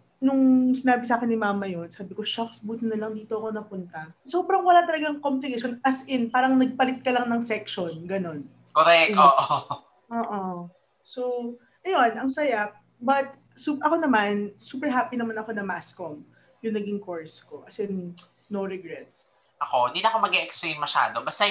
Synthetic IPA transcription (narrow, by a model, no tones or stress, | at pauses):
nʊŋsɪnaːbɪsaːkɪnːɪmaːmɐjonsaːbɪko̞ʃaksbuːt̪ɪnːɐlɐŋd̪iːt̪o̞ʔɐko̞nɐpʊnt̪ɐsoːbɾɐŋwɐlat̪ɐlɐɡɐŋkomplɪkeʃonpɐsʔɪnpaːɾɐŋnɐɡ̚pɐlɪt̪̚kɐlɐŋnɐŋsɛkʃonɡɐno̞n | koɾɛk̪oːʔo | ʔoːʔo | so | ʔɐjo̞nʔɐŋsɐja | bɐt̪̚ | supʔɐko̞nɐmansuːpɛɹɦaːpinɐmanɐko̞nɐmaʔskom | jʊŋnɐɡiŋko̞ɹsko̞ʔɐsɛn | noɾɛɡɹɛt̪̚s | ʔɐkõ̞d̪iːnoɐkomɐɡeʔɛksplejnmɐʃa̰ːd̪obast̪a